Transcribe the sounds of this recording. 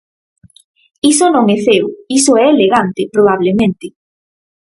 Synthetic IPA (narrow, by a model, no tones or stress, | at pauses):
isonõŋɛθewisoɛːleɣant̪ɪpɾoβ̞aβlemẽnt̪ɪ